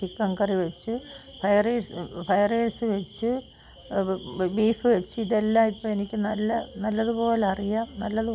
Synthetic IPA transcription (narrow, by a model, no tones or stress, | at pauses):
ikːɐŋkɐriʋet͡ɕːɨ | fɐjɐreːsfɐjɐreːsɨʋet͡ɕːɨ | biːfɨʋet͡ɕːɨiðelːaːipːoːe̞nikʲːɨnɐlːɐnɐlːɐðɨpo̞ːleɐrijanɐlːɐðɨ